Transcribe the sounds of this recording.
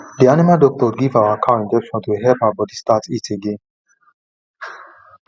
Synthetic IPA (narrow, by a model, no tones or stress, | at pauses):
d̪ianɛmad̪ɔk̚t̪ʼɔɾɡivawakʰawĩnd̪ɛpʃɔ̃d̪wiɦɛpʰabɔd̪ist̪ʼat͡sʼit͡sʰiɡi